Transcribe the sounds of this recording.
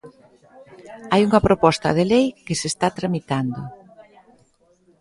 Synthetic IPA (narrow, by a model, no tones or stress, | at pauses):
ajuŋɐpɾopɔst̪ɐ̰ðelejkɪsest̪at̪ɾamit̪and̪ʊ